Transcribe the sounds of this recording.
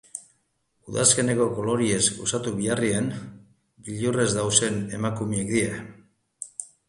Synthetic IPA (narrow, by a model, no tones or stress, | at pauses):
uðaske̞ne̞ko̞ko̞lo̞ɾie̞zɡosat̪uβiarien | biʎure̞zd̪awse̞ne̞makumiekd̪ie